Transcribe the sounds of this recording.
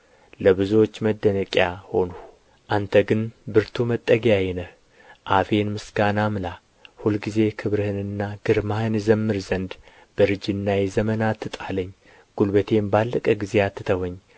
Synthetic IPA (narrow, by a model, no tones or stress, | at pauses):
ləβɨzuot͡ʃːməd̪ːənəkʼjaho̞nu | ʔant̪ʰəɡɨnbɨɾt̪ʰumət̪ʼːəɡjajɛnəh | ʔafe̞nmɨsɡanamɨla | hulɡize̞kʰɨβɾɨhɨnɨnːaɡ̥ɨɾmahɨnzəmːɨɾzənd̪ | b̥əɾɨd͡ʒɨnːajɛzəmənat̪ʰːɨt̪ʼaləɲː | ɡ̥ulbət̪ʰe̞mbalːəkʼəɡizejat̪ʰːɨt̪ʰəwəɲː